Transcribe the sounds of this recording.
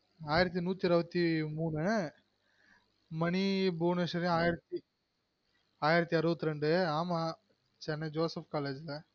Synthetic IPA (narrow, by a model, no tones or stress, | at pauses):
aːjɪɾɐt̪̬ːinuːt̪ːiɾɯbɐt̪ːimuːnɯ | mɐnibuːnɐʂɐɾiaːjɪɾɐt̪ːi | aːjɪɾɐt̪ːiɐɾɯbɐt̪ːɯɾɛɳɖɯaːma | t͡ʃɛnːɐd͡ʒoːsɐfkaːleːd͡ʒlɐ